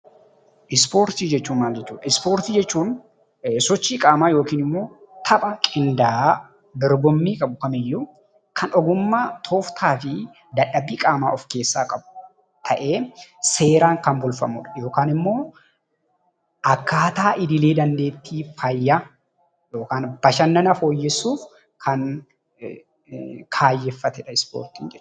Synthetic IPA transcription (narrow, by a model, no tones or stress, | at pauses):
ʔɪspo̞ːɾt̪iːd͡ʒɛt͡ʃːuːnmaːld͡ʒɛt͡ʃːṵːd̪ɐɪspo̞ːɾt̪iːd͡ʒɛt͡ʃːuːn | sɔt͡ʃːiːkʼaːmaːjo̞ːkiːnɪmːo̞ː | t̪ʰɐpʼɐkʼɪnd̪aː | d̪ɔɾbɔmːiːkʼɐbʊkɐmɛjːʊ | kʰɐnɔɡʊmːaːt̪ʰoːft̪ʰaːfɪ | d̪ɐᶑɐbiːkʼaːmaːɔfke̞ːsːaːkʼɐbʊ | t̪ʰɐʔe̞ːse̞ːɾaːŋkɐmbʊlfɐ̰mʊ̰ᶑɐ̥jo̞ːkaːnɪmːo̞ː | ʔɐkːaːt̪aːʔɪd̪ɪle̞ːd̪ɐnd̪e̞ːt̪ːiːfɐjːa | jo̞ːkaːnb̥ɐʃɐnːɐnɐfo̞ːjːɛsːuːf | kʰɐn | kʰaːjːɛfːɐt̪ɛᶑɐɪspo̰ːɾt̪ɪŋd͡ʒɛᶑ